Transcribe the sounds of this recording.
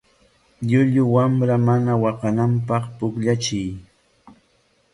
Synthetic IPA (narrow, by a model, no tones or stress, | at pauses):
ʎʊʎʊwamɾamanawɑqɑnampɑχpʊkʎat͡ʃɪj